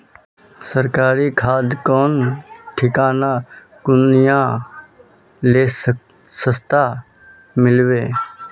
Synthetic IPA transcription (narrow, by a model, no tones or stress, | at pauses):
səɾkaːɾikʰaːd̪kɔːnʈʰɪkaːna | kʊnjã | leːs | səst̪a | mɪlweː